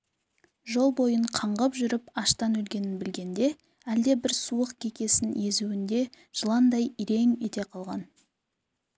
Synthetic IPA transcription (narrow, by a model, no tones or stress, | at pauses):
ʒo̞lˠbo̞jəɴqʰɑɴʁəpʒʏɾɪpɑʃt̪ɑnɵlɡʲe̞nɪnbɪlɡʲe̞nd̪e̞ | æld̪e̞bɪɾsuəqkʲʰekʲe̞sɪnje̞zuwɪnd̪e̞ | ʒ̥əlˠɑnd̪ɑjiɾe̞ŋet̪e̞qʰɑlˠʁɑn